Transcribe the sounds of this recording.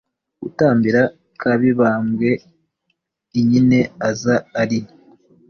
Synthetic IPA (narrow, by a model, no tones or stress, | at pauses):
ṵtaːmbiɾa | kʰaβiβaːmɡe̞ | iɲine̞azaːɾini